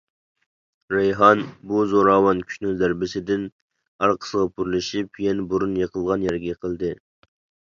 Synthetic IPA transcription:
ɾejɦɑnbuzoɾɑːwɑnkʲʰy̥ʃnyzæɾbɪsɪd̪ɪn | ɑɾqʰə̥səʁɑpʰuɾlɪʃipjɛnbuɾunjeqʰəlˠʁɑnjɛɾɡʲɛqʰəlˠd̪ɨ

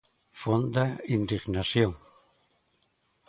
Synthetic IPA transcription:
fond̪aind̪iχnasjoŋ

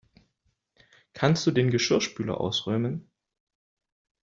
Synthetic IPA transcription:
kʰanst̚d̥uːdeːnɡəʃʏɐʃpyːlɐ̰ʔa̰ʊsʁœːmən

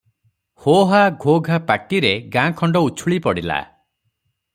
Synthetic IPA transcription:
hoɦaɡʱoɡʱapaʈiɾeɡãkʰɔɳɖɔut͡ʃʰuɭipɔɽila̰

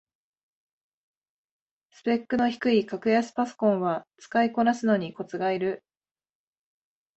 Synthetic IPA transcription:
sɨ̥pe̞kːɯ̟no̞çi̥kɯ̟ikakɯ̟jasɨ̥paso̥kõ̞ɰ̃βat͡sɨ̥kaiko̞nasɨno̞ɲ̟iko̞t͡sɨɡaiɾɯ̟

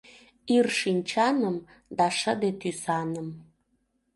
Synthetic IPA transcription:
irʃinʲt͡ɕɑnəm | d̪ɑʃəd̪et̪ysɑnəm

